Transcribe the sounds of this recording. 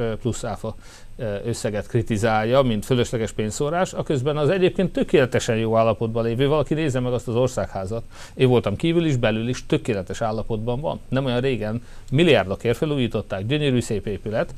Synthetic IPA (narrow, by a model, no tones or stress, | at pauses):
plusːaːfɒ | øsːɛɡɛt̪krit̪izaːlːɒmint̪føløʃlɛɡɛʃpeːɲsoɾaːʃɒkø̞zbɛnɒzɛɟeːp̚keːnt̪ːø̞keːlɛt̪ɛʃɛnjoːaːlːɒpo̞d̪bɒleːvøːvɒlɒkineːzːɛmɛɡɒst̪ɒzo̞rsaːkhaːzɒt̪ | eːɱvo̞lt̪ɒmkiːvyliʒbɛlyliʃt̪ø̞keːlɛt̪ɛʃaːlːɒpo̞d̪bɒɱvɒ̰nːɛmo̞jɒnreːɡɛnmilijaːrd̪o̞keːrt̪fɛluːjiːt̪o̞t̪ːaːɡɟø̞ɲøɾyːseːpeːpylɛt̪